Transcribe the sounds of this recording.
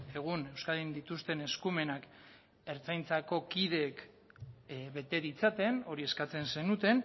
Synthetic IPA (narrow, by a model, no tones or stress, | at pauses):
e̞ɣ̞une̞wskaðind̪it̪ust̪e̞ne̞skume̞nak | e̞ɾt͡sajnt͡sako̞kið̞e̞k | βe̞t̪e̞ðit͡sat̪e̞no̞ɾie̞skat͡se̞nse̞nut̪e̞n